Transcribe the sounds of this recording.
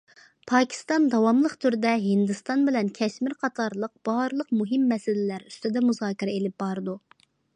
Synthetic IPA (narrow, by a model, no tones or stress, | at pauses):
pʰɑːkʲʰi̥st̪ɑnd̪ɑwɑmlˠəqt̪ʰyɾd̪ɛɦɪnd̪ɨst̪ɑnbɪlɛnkʲʰɛʃmɪɾqʰɑt̪ʰɑɾlˠəq̚b̥ɑɾlˠəqmuɦɪmːɛsɪlɪlæɾy̥st̪ɪd̪ɛmuzɑːkʲiɾɛelɪp̚bɑɾd̪u